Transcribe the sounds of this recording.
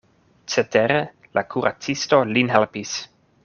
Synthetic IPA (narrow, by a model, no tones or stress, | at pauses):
t͡setʰeɾe | lʔakʰuɾʔa̰t͡sisto̞linɦelpis